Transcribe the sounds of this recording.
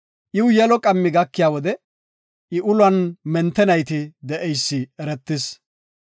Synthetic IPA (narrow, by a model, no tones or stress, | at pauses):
ʔɪwjɛlɔkʼɐmːɪɡɐkːɪjaːwɔd̪ɛ | ʔɪʔʊlwɐnmɛnt̪ːɛnɐjt̪ɪd̪ɛʔɛjsːɪɛɾɛt̪ːɪs